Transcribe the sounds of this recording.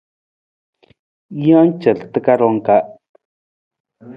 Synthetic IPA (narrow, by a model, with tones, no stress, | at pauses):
ja˦nt͡ʃə˨lt̪ə˦ka˦ɾo˧˦ŋka˦